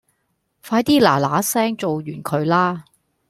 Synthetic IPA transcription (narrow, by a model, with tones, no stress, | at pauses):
faː˧˥jt̪iː˥laː˨˩laː˨˥sɛː˥ŋt͡so˨wjyː˨˩nkʰɵ˨˧ɥlaː˥